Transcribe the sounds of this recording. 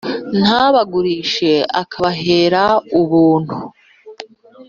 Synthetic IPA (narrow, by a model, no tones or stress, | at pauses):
n̥aβaɡuɾiːʃe̞a̰kʰaβaɦe̞ːɾauβuːn̥hu